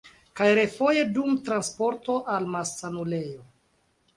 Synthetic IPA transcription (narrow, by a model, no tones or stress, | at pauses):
kajɾe̞fo̞je̞dumtɾanspo̞ɾto̞ʔalmasːanule̞jo